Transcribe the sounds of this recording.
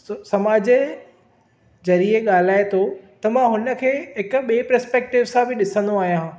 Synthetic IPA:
sɐmaːd͡ʑe | zɐɾieɠaːl̤aːet̪ʰot̪ɐmãɦʊnə̆kʰeːɦɪkʊ̆ɓieepɾɛspɛːk̚ʈɪʋsãbɪɗɪsə̃nd̪oaːɦijã

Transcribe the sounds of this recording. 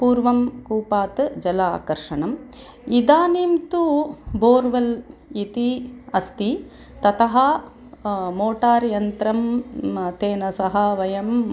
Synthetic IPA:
puːɾʋɐmkuːpaːt̪d͡ʒɐlaːkɐɾʂɐɳɐm | id̪aːniːmt̪uboːɾʋɐlit̪iɐst̪i | t̪ɐt̪ɐɦɐ | moːʈaːɾjɐnt̪ɾɐmt̪eːnɐsɐɦɐʋɐjɐm

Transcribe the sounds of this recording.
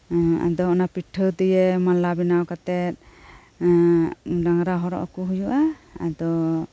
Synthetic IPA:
a̰d̪ɔɔnapiʈʰːəwd̪ɛjɛmalabinawkat̪ɛt̪̚ˀ | ɖaŋɾaɦɔɾɔ̰ʔɔkɔɦujuʔaad̪ɔ

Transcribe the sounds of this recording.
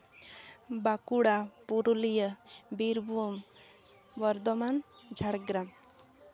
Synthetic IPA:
bakuɽapuɾulijəbiɾbʱuom | ʋəɾd̪ɔmand͡ʒʱaɽɡɾam

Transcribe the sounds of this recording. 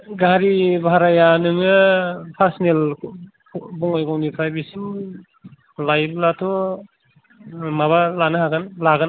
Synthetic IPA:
ɡaɾibʱaɾajanɯŋɯpʰaɾsinel | bɔŋɔjɡɔwnipʰɾajbisin | lajb̚latʰɔ | maβalanɯɦaɡɯnlaɡan

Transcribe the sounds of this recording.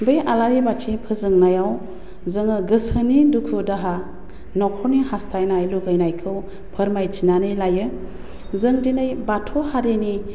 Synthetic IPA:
bɯjʔalaɾibatʰipʰɯzɯŋnajaw | zɯŋɯɡɯsɯnidukʰɯdaɦa | nɔkʰɔnihastʰajnajluɡɯjnajkʰɯw | pʰəɾmajtʰinanɯjlajɯ | zɯŋdinɯjbatʰɔhaɾini

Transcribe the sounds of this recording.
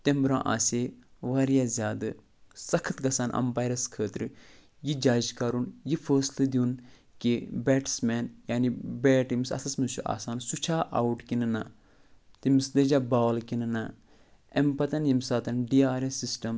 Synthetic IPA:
t̪embɾã̰ːʔa̰ːsʲeːʋaːɾjaːzʲaːd̪ɨ | sɐkʰɐt̪ɡɐsaːnʔɐ̰mpaːjɾɐskʰəːt̪ɾɨ | jid͡ʒaːd͡ʒkɐɾunjifʰəːslɨd̪iun | kibɛːʈsmɛːnjaːnibɛːʈimisɐ̰sɐsmɨt͡ʃuʔa̰ːsaːnsut͡ʃʰaːʔawʈkinɨna | t̪imisd̪ɐd͡ʒaːbaːlkinɨna | empɐt̪ɐnjimsaːt̪ɐnɖijaːɾɐsisʈɐm

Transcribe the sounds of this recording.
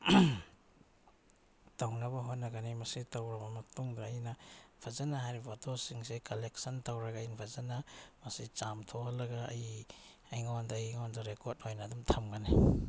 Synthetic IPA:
tawnɐbɐɦotnːɐɡɐnimɐsitawɾɐmɐmɐtuŋɡaːjnɐpʰazanaɦajɾipʰotosiŋsekalek̚sɐntawɾɐɡajnpʰazanamɐsit͡ʃamtʰohalːɐɡaːjajŋawandajŋawandɐɾekot̚ojnadumtʰɐmɡani

